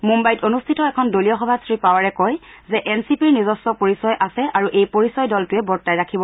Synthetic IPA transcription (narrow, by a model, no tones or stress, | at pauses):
mumbajtonustʰitɔɛkʰɔndolijɔxɔbʱasɹipawaɹɛkɔjzɛʔɛnsipiɹnizɔsːɔpoɹisɔjʔasɛʔaɹuʔejpoɹisɔjdɔltʊɛbɔɹtajɹakʰibɔ